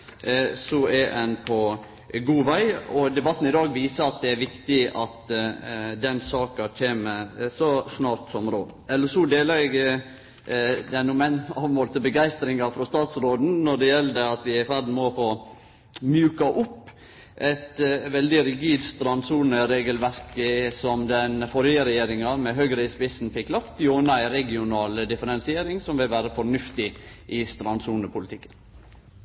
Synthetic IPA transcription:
sɔæʔɛnpʰɔ | ɡuːʋæɪɔd̪ɛbɑt̪ːn̩ɪd̪ɑːɡʋiːsəɾɑt̪̚d̪ɛæɾʋɪkt̪ɪɑt̪ | d̪ɛnsɑːkɑc͡çʰeːməsɔsnɑːɾt̪sɔmɾoːd̪ɛlːəsud̪eːləɡ | d̪ɛæɾnuːmænɑːʋmoːlt̪ʰɪlbəɡæɪst̪ɾɪŋɑfɾɔst̪ɑːt̪sɾoːd̪n̩nɔɖɛjɛld̪əɑt̪ʋɪæɪfæɾd̪n̩mɔfoː | mjʉːkɑʔʊpː | ʔɛt̪ʋɛld̪ɪɾɪɡiːd̪st̪ɾɑnsuːnəɾeːɡəlʋæɾkəsɔmd̪ɛnfɔɾjəɾɛjeːɾɪŋɑmɛɦøɡɾəɪspɪsnpɪklɑpt̪joːnɑæɪɾɛɡɪʊnɑːləd̪ɪfəɾɛnsɪeːɾɪŋsɔmʋɪlʋæːɾəfɔɳʉft̪ɪʔɪst̪ɾɑnsuːnəpʰʊlɪt̪ʰɪkːən

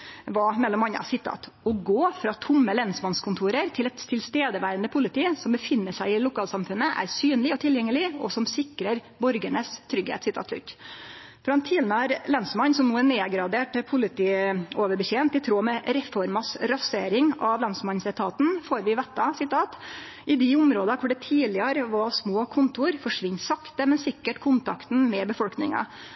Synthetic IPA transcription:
ʋɑmɛlːɔmɑnːɑ̰sɪt̪ʰːɑ̰ːt̪ | ɔɡoːfɾɑːt̪ʰʊmːəlɛnsmɑnskʰʊnt̪ʰuːɾəɾt̪ʰɪlɛt̪t̪ʰːɪlst̪eːd̪əʋæːɾənd̪əpʰʊlɪt̪ʰiːsɔmbəfɪnːəʂæɪɪlʊkʰɑːlsɑmfʉnːəʔæ̰ɾsyːnlɪɔt̪ʰɪljɛŋːəlɪɔsɔmsɪkɾəɾ | bɔɾɡəɳəst̪ʰɾʏɡḛːt̪sɪt̪ʰɑ̰ːt̪lʉ̰t̪ː | fɾɑɛnt̪ʰiːlənəæɾlɑnsmɑnsɔmnuːæneːɡɾɑd̪eːʈpʰʊlɪt̪iːoːʋəɾbəçeːnt̪ɪt̪ʰɾoːmɛɾɛfɔɾmɑsɾɑseːɾɪŋɑʋlɑnsmɑnsɛt̪ʰɑːt̪n̩foːɾʋɪʋɛt̪ːɑsɪt̪ʰɑːt̪ | ɪd̪ɪʊmɾoːd̪ɑkʰʊɖɛt̪ʰiːlɪɑɾəʋɑsmoːkʰʊnt̪ʊɾfɔʂʋɪɲːsɑkt̪əmɛnsɪkːəʈkʰʊnt̪ʰɑkt̪n̩mɛbəfɔlknɪ̰ŋɑ̰

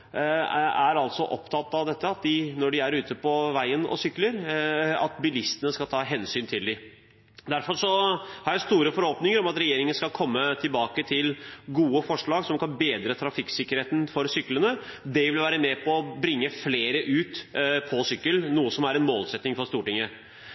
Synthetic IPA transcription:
æɾɑlt̪sɔʔɔpt̪ʰɑt̪ːɑʋd̪ɛt̪ːəɑt̪̚d̪ɪnɔɖɪæɾʉːt̪əpʰɔʋæɪənɔ̰sʏkːləɾɑ̰t̪bɪlɪst̪ənəskɑlt̪ʰɑːɦɛnsyːnt̪ʰɪld̪ɪ | d̪æɾfɔɾʂɔhɑɾjæɪst̪uːɾəfɔɾhoːpnɪŋəɾɔmɑt̪ɾɛjeːɾɪŋənəskɑlkʰɔmːət̪ʰɪlbɑːkət̪ʰɪlɡuːəfɔʂɭɑːɡsɔmkɑnbeːd̪ɾət̪ʰɾɑfɪksɪkːəɾheːt̪n̩fɔɾsʏkːlənəd̪ɛʋɪlʋæːɾəmɛpʰɔːbɾɪŋːəfleːɾəʔʉːt̪pʰɔsʏkːəlnuːəsɔmæɾɛnmoːlsɛt̪nɪŋfɔɾʂt̪uːʈɪŋːə

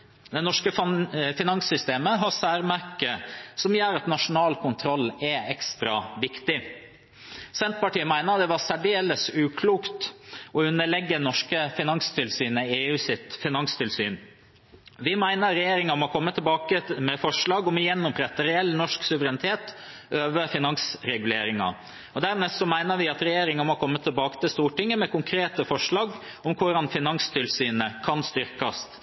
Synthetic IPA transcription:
d̪ɛnɔʂkəfɪnɑŋsʏst̪eːməɦɑsæːɾmæɾkəsɔmjøːɾɑt̪nɑʂʊnɑːlkʊnt̪ʰɾɔlːɛɛkst̪ɾɑ̰ʋɪkt̪ɪ | sɛnt̪̚pɑʈiːəmæɪnəɾɑd̪ɛʋɑɾsæɖeːləsʉːkʰluːkt̪ɔʉnːəɭɛɡːənɔʂkəfɪnɑŋst̪ʰɪlsyːnəeːʉːsɪt̪fɪnɑŋst̪ʰɪlsy̰ːn | ʋɪmæɪnəɾɾɛjeːɾɪŋɑmɔkʰɔmːət̪ʰɪlbɑːkəmɛfɔʂɭɑːɡɔmjɛnːʊmpʰɾɛt̪ːəɾɛɛlːnɔʂksʉʋəɾɛnɪt̪ʰeːt̪ | øːʋəfɪnɑŋsɾɛɡʉleːɾɪŋɑ̰ | ɔd̪æɾmeːsɔmæɪnəɾʋɪɑt̪ɾɛjeːɾɪŋɑmɔkʰɔmːət̪ʰːɪlbɑːkət̪ɪlst̪uːʈɪŋːəmɛkʰʊŋkʰɾeːt̪əfɔʂɭɑːɡ | ɔmkʰʊɾɑnfɪnɑŋst̪ʰɪlsyːnəkʰɑnst̪ʏɾkɑs

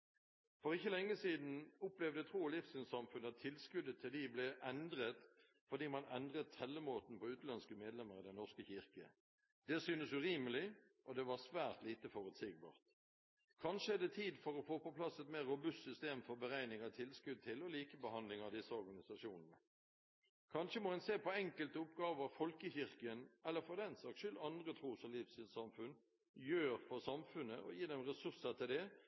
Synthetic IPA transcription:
fɔʁɪçːəlɛŋːəsiːd̪n̩ʊplɛʋd̪ət̪ʰʁuːlɪfsɪnsɑmfʉnəɑt̪ʰːɪlskʉd̪ət̪ʰɪld̪ɪblɛʔɛnd̪ʁət̪ | fɔʁd̪iːmɑnɛnd̪ʁət̪ʰːɛlːəmoːt̪n̩pɔʉːt̪lɑnskəmeːd̪lɛməʁɪd̪ɛnnɔʁskəçɪʁkə̰ | d̪ɛsyːnəsʉʁiːməlɪ | ʔɔd̪ɛʋɑʁsʋæːʁt̪liːt̪əfɔʁʉt̪sɪɡ̚bɑ̰ːʁt̪ | kʰɑnʃəɛd̪ɛt̪ʰiːd̪fɔɾɔfoːpɔpʰlɑsːɛt̪meːʁːʊbʉst̪sʏst̪eːmfɔɾbəɾæɪnɪŋɑt̪ʰɪlskʉd̪̚t̪ʰɪlɔliːkəbəhɑnd̪lɪŋɑʋd̪ɪsəɔɾɡɑnɪsɑʃuːnnə | kʰɑnʃəmɔhɛnseːpɔɛŋkəlt̪əʊpɡɑːʋəfɔlkəçɪʁkəənɛlːəfɔd̪ɛnsɑkʃʏlɑnd̪ʁət̪ʰɾuːsɔmlifst̪iːd̪sɑmfʉn | jøːɾfɔsɑmfʉnːəʔɔ̰jiːd̪ɛmʁɛsʉsət̪ʰɪld̪ɛ

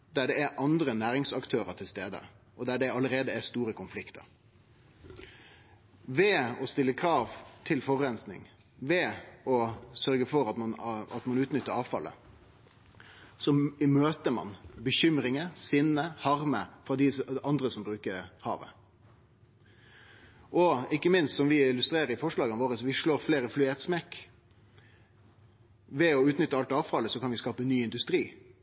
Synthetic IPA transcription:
d̪æɖɛæʔɑnd̪ɾənæːɾɪŋsɑkt̪ʰøːɾəʈ̪ʰɪlst̪eːd̪ə̰ | ʔɔd̪æɖɛɑləɾeːd̪əæst̪uːɾəkʰʊnflɪkt̪ʰə̰ɾ | ʋɛɔst̪ɪlːəkʰɾɑːʋt̪ʰɪlfɔʁɛnsnɪ̰ŋ | ʋɛɔsœɾɡəfɔɾɑt̪mɑnɑt̪mɑnʉːt̪nʏt̪ːəɾɑːʋfɑ̰lːə̰ | sɔɪmøːt̪əmɑ̰nbəçʏmɾɪŋəsɪnːəhɑʁməfɾɑd̪ɪɑnd̪ɾəsɔmbɾʉːkəɾhɑ̰ːʋə̰ | ʔɔɪkːəmɪnst̪sɔmʋɪɪlʉst̪ɾeːɾəɾɪfɔʂlɑːɡənʋoːɾəsɔʋɪʂɭoːɾfleːɾəflyːɛt̪smɛkː | ʋɛɔʉːt̪nʏt̪ːəɑlt̪ɑːʋfɑlːəsɔkʰɑnʋɪskɑːpənyːɪnd̪ʉst̪ɾiː

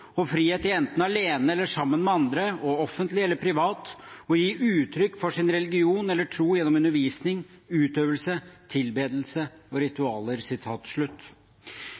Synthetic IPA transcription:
ɔfɾiːheːt̪iɛnt̪n̩ɑleːnəɛlːəʂɑmːənmɛɑnd̪ɾəɔɔfːənt̪lɪɛlːəɾpʰɾɪʋɑːt̪ɔjiːʔʉːt̪ʰɾʏkːfɔʂɪnɾɛlɪɡɪuːnɛlːəʈʰɾuːjɛnːɔmʉnːəɾʋiːsnɪŋʉːt̪øːʋəlsət̪ʰɪlbeːd̪l̩səɔɾɪt̪ʉɑːləɾsɪt̪ʰɑːt̪ʂɭʉt̪ː

